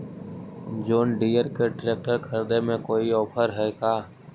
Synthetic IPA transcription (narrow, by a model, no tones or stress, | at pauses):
d͡ʒoːnɖiːjəɾkeɖɪɾeːk̚ʈəɾkʰəɾd̪emẽkoːiɔːpʰəɾɦɛːkaː